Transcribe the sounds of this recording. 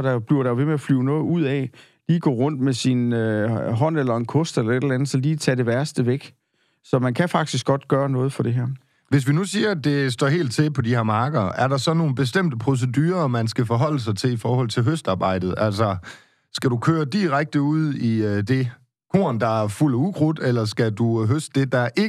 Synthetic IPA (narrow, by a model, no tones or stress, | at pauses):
d̥ɑb̥liɐɾɑʋe̝meæflyʊnɔːð̩ˠuð̰ˠɛ | liːɡ̥ɔ̰ːʁɔ̽n̰d̥mesinøɦɒ̽n̰elɐe̝nkʰɔsd̥elɐe̝dlænð̩ˠsɒ̽liːt͡sʰɛɾ̥e̝ʋæɐsd̥əʋeɡ̥ | sɒ̽mænkʰæfɑ̈ɡ̥̚d̥isɡ̥ɒ̽d̥ɡ̥ɶːɐnɔ̽ːð̩ˠfɒ̽d̥e̝ɦæɐ | ʋe̝s̬ʋinusiːɐd̥e̝sd̥ɒ̰he̝̰ːld̥̚t͡sʰe̝pʰɒ̽diheɐ̰mɑ̈ːɡ̥ɐʔæɐɾɑ̈sɒ̽no̝ːn̩b̥e̝s̬d̥em̰d̥əpʰʁo̝s̬edyːɐmænsɡ̥æfɒɦɒ̽l̰əs̬ɑ̈ɪt͡sʰe̝lifɒːhɒ̽l̰t͡sʰe̝lɦøsd̥ɑ̈ːb̥ɑ̈ɪ̰d̥ð̞̩ˠæl̰sɒ | sɡ̥æɾukʰøːɐd̥iʁaɡ̥̚d̥əuð̰ˠid̥e̝ | kʰo̝̰ːɐnd̥ɑ̈æɐful̰əuɡ̥ʰʁod̥elɐsɡ̥æd̥uɦøsd̥d̥e̝d̥ɑ̈ʔe